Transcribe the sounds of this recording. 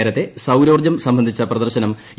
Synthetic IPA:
eːɾɐt̪ːe̞sɐwɾo̞ːrd͡ʑɐmsɐmbʱɐnd̪ʱit͡ɕːɐprɐd̪ɐrɕɐnɐm

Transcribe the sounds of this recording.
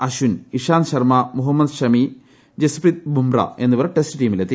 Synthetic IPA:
ɐɕuniʂaːnɕɐrmɐmuɦɐmːɐd̪ɕɐmi | d͡ʑesprit̪̚bumrɐ̰e̞nːuʋɐrʈestɨʈiːmilet̪ːi

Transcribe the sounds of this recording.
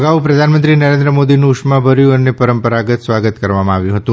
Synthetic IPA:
ɡaʋupɾəd̪ʱanmə̃nt̪ɾinəɾẽnd̪ɾəmod̪inũːʃmãbʱəɾjũənːepəɾəmpəɾaɡət̪sʋaɡət̪kəɾʋamãaʋjũɦət̪ũ

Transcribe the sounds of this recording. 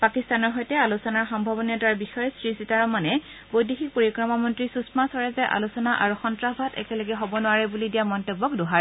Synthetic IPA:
pakistanɔɹɦɔjtɛalusɔnaɹxɔmbʱabɔniɔtaɹbixɔjsɹisitaɹɔmanɛ | bojdixik̚poɹikɹɔmamɔntɹisusmasɔɹɛzɛʔa̰lusɔnaʔaɹuxɔntɹabʱatɛ̰kɛlɔɡɛɦɔbɔnʊaɹɛbulidijamɔntɔbːɔkdoɦaɹ

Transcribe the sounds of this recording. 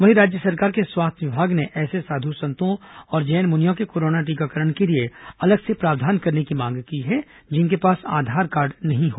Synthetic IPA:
ʋɐɦiɾaːd͡ʒjəsɐɾkaːɾkeswaːst̪ʰʋɪbʱaːɡneʔɛːsesaːd̪ʱusɐ̃nt̪õɔːɾd͡ʒɛːnmʊnijõkekoːɾoːnaʈ̬iːkakəɾəɳkelieɐləɡsepɾaːʋd̪ʱaːnkɐɾnekimãːŋɡkiɦɛ | d͡ʒɪnkepaːsa̰ːd̪ʱaːɾkaːɾɖnɐɦĩɦoː

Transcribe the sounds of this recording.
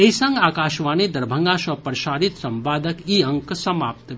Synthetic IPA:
eisɐ̃ŋɡaːkaːʃʋaːnid̪ɐɾbʱəŋɡaːʃɐpɾʃaːɾit̪sɐmpaːd̪ʱəkiːɐŋksɐmaːp̚t̪

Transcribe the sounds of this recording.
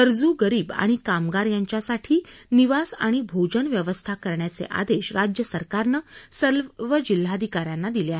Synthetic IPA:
əɾd͡zuɡəɾiːba̰ɽ̃ikamɡaɾjaɲt͡ɕjasaʈʰiːniʋasa̰ɽ̃ibʱod͡ʑənʋjəʋəst̪ʰakəɾɳjat͡sḛʔa̰d̪eɕɾad͡ʑjəsəɾkaɾnəsəlʋəd͡ʑil̤ːad̪ʱikaɾjanːad̪ileaɦe

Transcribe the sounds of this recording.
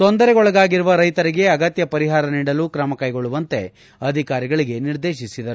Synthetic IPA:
t̪o̞nd̪ɐɾeɡɔɭɐɡaːɡiɾuʋɐɾɐjt̪ɐɾiɡe̞ɐɡɐt̪jɐpɐɾiɦaːɾɐniːɽɐlukɾɐmɐkɐjɡoɭuʋɐnt̪e̞ | ɐd̪ʱikaːɾiɡɐɭiɡe̞niɾd̪e̞ːʃisid̪ɐɾu

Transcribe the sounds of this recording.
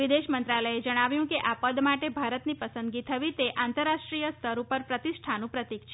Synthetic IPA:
ʋid̪eʃmənt̪ɾaləed͡ʒəɽ̃aʋjũkeʔapəd̪maʈebʱaɾət̪nipəsə̃nd̪ɡit̪ʰəʋit̪eʔant̪əɾːaʂʈɾijəst̪ʰəɾupəɾpɾət̪isʈʰanũpɾət̪ikt͡ʃʰe

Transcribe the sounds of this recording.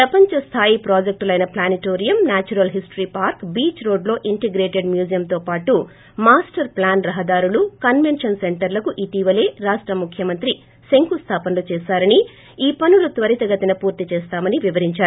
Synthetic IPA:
pɾɐpɐɲt͡ʃɐst̪ʰaːjipɾaːd͡ʒek̚ʈlɐjnɐplaːniʈoːɾijɐmnaːt͡ʃuɾɐlɦisʈɾiːpaːɾkbiːt͡ʃɾo̞ːɖlo̞ːʔiɳʈeɡɾeːʈe̞ɖmjuːd͡ʒijɐmt̪o̞ːpaːʈu | maːsʈɐɾplaːnɾɐɦɐd̪aːɾulukɐnʋe̞nʂɐnse̞ɳʈɐɾlɐkuʔit̪iːʋɐle̞ːɾaːʂʈɾɐmukʰjɐmɐnt̪ɾi | se̞ŋkust̪ʰaːpɐnlut͡ʃeːsaːɾɐni | iːpɐnulut̪ʋɐɾit̪ɐɡɐt̪inɐpuːɾt̪it͡ʃeːst̪aːmɐniʋiʋɐɾiɲt͡ʃaːɾu

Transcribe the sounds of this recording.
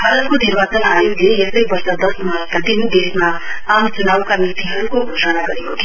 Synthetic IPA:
bʱaɾʌt̪konirbat͡sʌnajod̪ʱeest̪ʌjbʌrsʌd̪ʌsnmakad̪ind̪esma | amt͡sunawkanit̪iɦʌɾukoɡʱosʌnaɡʌɾekot̪ʰe

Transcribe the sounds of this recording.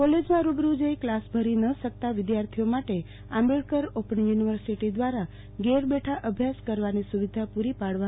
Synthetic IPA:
kɔled͡ʒmãɾubɾud͡ʒejklasbʱəɾinəʃəkt̪aʋɪd̪jaɾt̪ʰiomaʈe | ameɭkəɾopənjuniʋəɾsiʈid̪ʋaɾa | ɡeɾbeʈʰaʔəbʱjaskəɾʋanisuʋid̪ʱapuɾipaɽʋa

